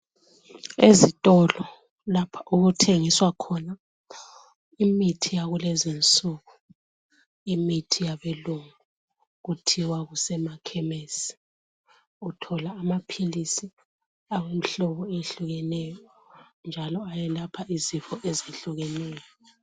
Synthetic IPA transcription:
ezitʼɔlɔ | lapʰḁʔuɣutʰeŋiswakʰɔna | imitʰijaɣulɛzint͡sʼuɣu | imitʰijaβeluŋu | ɣutʰiwaɣusɛmakʰɛmesi̥ | utʰɔlaːmapʰilisi | awem̩iɬɔβɔeɬuɣɛnɛjɔ | nd͡ʒʱalɔajɛlapʰaʔizifɔʔeziɬuɣɛnɛːjɔ

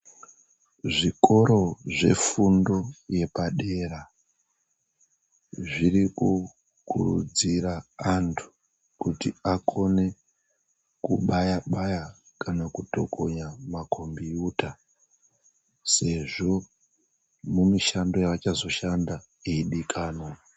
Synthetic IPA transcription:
ʐiko̞ɾo̞ʐe̞̰fundo̞je̞paɗe̞ra | ʐiriku | kʰurud͡ziɾaantʰu̥ | kutiakʰo̞ne̞ | kuɓajaɓaja | kanakuto̞kʰoɲamakʰombiuːta | se̞ʐo̞ | mumiʃando̞jaʋat͡ʃazo̞ʃanda | eiɗikʰaːno

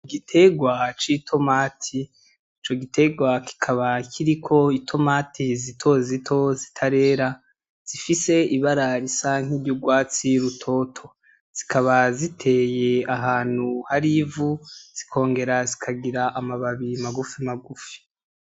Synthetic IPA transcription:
iɡitʰe̞ɡwat͡ʃitʰo̞maːtʰiː | t͡ʃo̞ɡitʰe̞ɡwakʰi̥kʰaβakʰiɾikʰo̞itʰo̞maːtʰizitʰo̞zitʰo̞zitʰaɾe̞ɾa | z̥ifise̞iβaɾaɾisaŋ̥ibjuɡwaːt͡siɾutʰo̞ːtʰo̞ | z̥ikʰaβazitʰe̞ːje̞aɦaːn̥huhaɾivuz̥i̥kʰo̞ːŋɡe̞ɾazikʰaɡiɾaʔamaβaβimaɡufimaɡufi̥

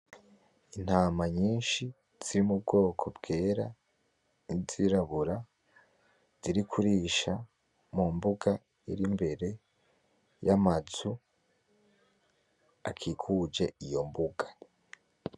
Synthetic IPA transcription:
in̥haːmaɲiːnʃi | z̥iɾimub̚ɡo̞ːkʰo̞bɡe̞ːɾa | iziɾaβuɾa | z̥iɾikʰuɾiːʃa | mumbuɡa | iɾimbe̞ɾe̞ | jamazu | akʰikʰud͡ʒe̞ijo̞mbuɡḁ

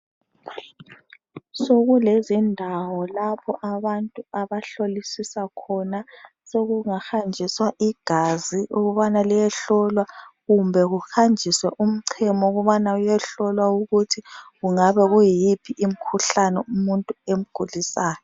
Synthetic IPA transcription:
soɣulezindʱawɔlapʰɔʔaβantʼuaβaɬolisisakʰɔna | seɣuŋaxand͡ʒʱiswaʔiɡ̥ʱaziʔuɣuβanalijɛɬɔlwaɣumbʱɛɣuxand͡ʒʱiswɛʔum̩ǀʰɛmɔuɣuβanaujɛɬɔlwauɣutʰiɣuŋaβɛɣujipʰiʔim̩kʰuɬanɛumuntʼuem̩ɡ̥ʱulisaːjɔ

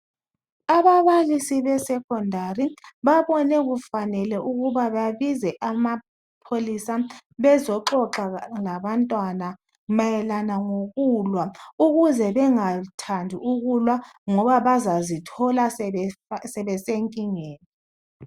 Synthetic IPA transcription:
aβaβalisiβɛsɛkʰʼɔndʱariβaβɔnɛɣufanɛlɛʔuɣuβaβaβizɛʔama | pʰolisaβɛzɔǁɔǁalaβantʼwana | majɛlanaŋoɣulwauɣuzɛβɛŋatʰandʱiuɣulwaŋɔβaβazazitʰɔla | sɛβɛseŋkʼiŋeːni

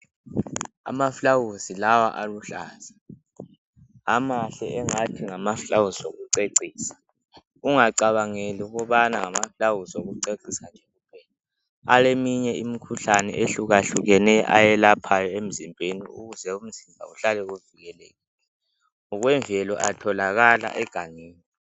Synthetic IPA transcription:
a̰mafulawuzilawa̰ʔaluɬaːz̥a | amaɬɛ̰ɛŋatʰiŋamafuɬawusoɣuǀeǀiːsḁ | uŋaǀaβaŋeliuɣɔβanaŋamaflawusoɣuǀeǀisand͡ʒʱɛɣupʰɛla | alemiɲɛimikʰuɬanɛ̰ʔeɬuɣaɬuɣɛnɛʔa̰jɛlapʰajɔem̩zimbʱenḭṵɣuzɛum̩zimbʱa̰uɬalɛɣuviɣɛlɛːɣɛ | ŋɔɣwɛɱvʱɛlɔʔatʰɔlaɣala̰ʔɛɡ̥ʱaŋiːni

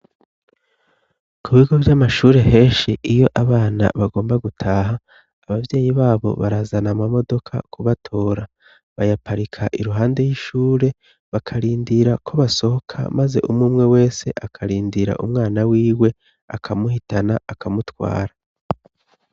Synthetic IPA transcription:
kʰuβiɡo̞vjamaʃuːɾe̞he̞ːʃiʔijo̞ʔaβaːna̰βaɡo̞ːmbaɡutʰaːɦaː | βavje̞ːjiβaːβo̞̰βaɾazanamamo̞do̞kʰa̰kʰuβatʰo̞ːɾa | βajapʰaɾikʰaʔiɾuɦaːnde̞jiʃuːɾe̞ | βakʰaɾiːndiɾakʰo̞βaso̞hokʰa̰maze̞̰ʔumŋuːmŋe̞we̞ːse̞ʔakʰaɾiːndiɾa̰ʔṵmŋaːnawiːwe̞ | a̰kʰamuhitanaakʰamutwa̰ːɾa

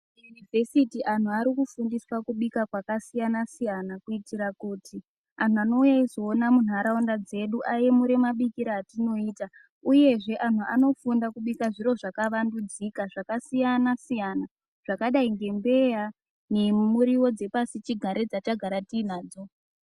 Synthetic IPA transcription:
junivʱe̞sitiʔan̤uaɾikufundiswakuɓikakwakasijanasijanakuitiɾakuːti | an̤uano̞ujaizoːnamun̤ɦaɾaundad͡ze̞ɗuʔaje̞muɾe̞maɓikiɾaːtino̞iːta | uje̞ʐe̞ʔan̤uʔa̰no̞fundakuɓikaʐiɾo̞ʐakaʋandud͡zikaʐakasijanasijana | ʐ̥akaɗaiŋɡe̞mbe̞ja | nemuɾiwo̞d͡ze̞pasit͡ʃiɡʱaɾe̞d͡zat͡ʃaɡʱaɾatiːn̤aːd͡zo̞

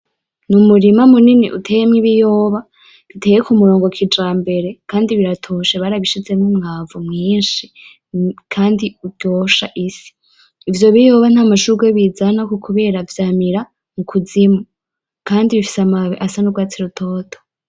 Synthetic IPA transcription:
numuɾimamuniniʔutʰe̞ːjemŋiβijoːβa | βitʰe̞jekumuɾo̞ːŋɡo̞kʰid͡ʒaːmbe̞ɾe̞kaːndiβiɾatʰoʃeβaːɾaβiʃize̞mumŋ̥avumŋiːnʃi | kʰaːndiuɟo̞ːʃaʔisi̥ː | vjo̞βijo̞ːβan̥aːmaʃuɡweβiːzanakukʰuβe̞ːɾavjaːmiɾa | mukʰuzimu | kaːndiβifi̥samaβiʔasanubɡwaːt͡siɾutʰo̞ːtʰo̥

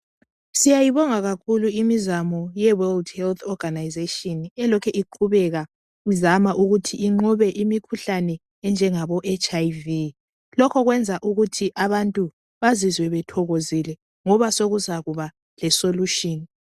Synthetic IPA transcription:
sijajiβɔŋaɣakʰuluimizamɔjɛwɛldhɛlt̪ʰɔɡ̥anajzeʃɔnɛlɔkʰɛʔiǃʰuβɛɣa | uzamaʔuɣutʰiʔːŋ͡ǃuβɛʔimikʰuɬanɛ | ɛnd͡ʒʱɛŋaβɔʔɛt͡ʃʼajvi | lɔkʰɔɣwɛnd͡zʱaʔuɣutʰiʔaβantʼu | βazizwɛβɛtʰɔɣozilɛ | ŋɔβasoɣuzaɣuβa | lɛsoluʃɔːni

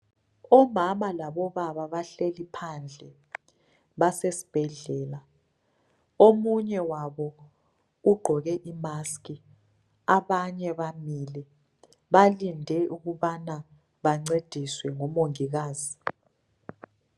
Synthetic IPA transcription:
ɔmamalaɓɔβaβaβaɬelipʰand͡ɮʱɛ | βasesi̥b̥ʱɛɮɛːla | omuɲɛwaɓɔ | uɡ͡ǃʱɔɣɛʔimaski | aɓaɲɛβamilɛ | ɓalindʱɛʔuɣuɓana | ɓaŋ͡ǀed̥ʱiswɛŋɔmoŋiɣ̬aːzi

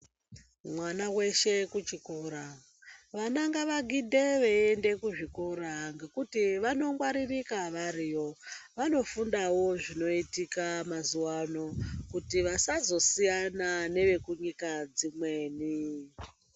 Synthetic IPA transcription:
mwanawe̞ʃe̞kut͡ʃikuɾa | ʋanaŋɡaʋaɡʱidʱe̞ʋeende̞kuʐikuɾaŋɡe̞kutiʋano̞ŋɡwaɾirikaʋaɾijo̞ʋano̞fundawo̞ʐino̞itikamazuwano̞kutiʋasazo̞sijanane̞ʋe̞kuɲikad͡zimwe̞ːni

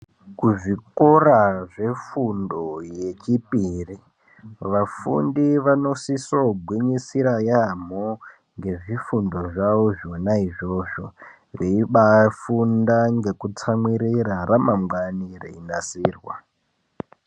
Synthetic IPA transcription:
kuʐikoraʐe̞fundoje̞t͡ʃipiri | ʋafṵndiʋano̞sisoɡʱwiɲisiɾajam̤o | ŋɡe̞ʐifundo̞ʐawoʐonaiʐo̞ʐo̞ | reiɓafundaŋɡe̞kut͡samwiɾiɾaramamɡwanirḛinasiːrwa̰

